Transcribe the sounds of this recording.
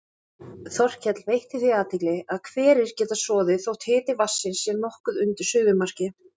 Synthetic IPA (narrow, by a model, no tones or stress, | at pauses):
θɔr̥cʰɛt̪lvejht̪ɪθiaːt̪ʰɪklɪaðkʰvɛːɾɪɾ̥cɛːt̪asɔːðɪθowt̪ʰɪːt̪ɪvasːɪnsːjɛnɔhkʏðʏnt̪ɪɾ̥sʏːvʏmar̥cɪ